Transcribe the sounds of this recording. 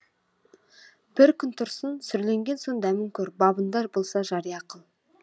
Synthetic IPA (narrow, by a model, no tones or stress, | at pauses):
b̥ɪɾkʲʰʏnt̪ʰʊɾsənsʏɾle̞ŋɡʲe̞nsond̪æmɪŋkʲʰɵɾbɑbənd̪ɑbolˠsɑʒɑɾijɑqəlˠ